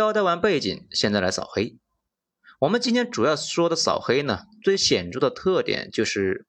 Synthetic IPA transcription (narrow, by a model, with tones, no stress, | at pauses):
ɑ˥ʊt̪a˥˩ɪwa˧˥npe˥˩ɪt͡ɕḭ˨˩˦nɕjɛ˥˧nt͡sa˥˩ɪla˧˥ɪsɑ˨˩ʊxe˥ɪ | wɔ˨˩mə˦nt͡ɕi˥nt̪ʰjɛ˥nʈ͡ʂu˨˩jɑ˥˩ʊʂwɔ˥d̪ə˨sɑ̰˨˩ʊxe˥ɪnə˨t͡swe˥˩ɪɕjɛ˨˩nʈ͡ʂu˥˩d̪ə˨t̪ʰɤ˥˩t̪jɛ̰˨˩˦nt͡ɕjo˥˧ʊʂɻ̩˥˩